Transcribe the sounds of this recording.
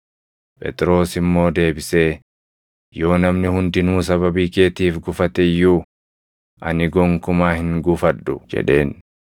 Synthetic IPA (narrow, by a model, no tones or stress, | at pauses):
pʼɛ̰t̪ʼɾo̞ːsɪmːo̞ːd̪e̞ːbɪseː | jo̞ːnɐmnɪhʊnd̪ɪnuːs̬ɐβɐbiːke̞ːt̪iːfɡʊfɐt̪ɛjːuː | ʔɐnɪɡɔŋkʊmaːhɪŋɡʊfɐᶑʊd͡ʒɛ̰ᶑe̞̰ːn